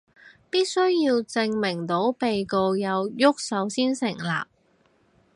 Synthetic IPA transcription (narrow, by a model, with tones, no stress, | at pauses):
piː˥t̚sɵ˥ɥjiː˧wt͡sɪ˧ŋmɪ˨˩ŋt̪o˨˥wpe˨jko˧wjɐ˨˧wjʊ˥k̚sɐ˨˥wsiː˥nsɪ˨˩ŋla̰ː˨p̚